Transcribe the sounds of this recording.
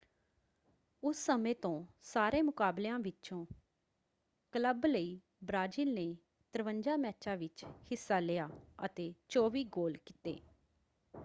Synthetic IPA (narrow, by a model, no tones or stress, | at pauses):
ʊsːəmẽːt̪õːsaːɾeːmʊkaːblãːʋɪt͡ʃõː | kələbləiː | bɾaːd͡ʒiːlneː | t̪əɾʋəɲd͡ʒaːmɛːt͡ʃãːʋɪt͡ʃhɪsːaːlɪjaːə̰t̪eːt͡ʃɔːʋiːɡoːlkit̪ḛː